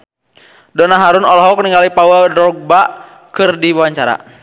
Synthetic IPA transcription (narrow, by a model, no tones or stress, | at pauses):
dɔnaɦaɾunɔlɔɦɔk̚niŋɡalipawɛldɾɔɡ̚baʔ | kɨrdiwawaɲt͡ʃaɾa̰